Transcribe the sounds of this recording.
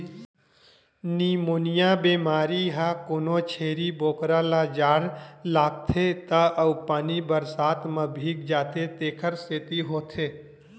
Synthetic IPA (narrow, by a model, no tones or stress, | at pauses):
niːmoːnijaːbeːmaːɾiɦakonoːt͡ʃʰeːɾiboːkɾalaːd͡ʒaːɾlaːɡ̚t̪ʰet̪aʔɐwpaːnibəɾsaːt̪mɐbʱiːk̚d͡ʒaːt̪ʰet̪eːkʰəɾset̪iɦoːt̪ʰeː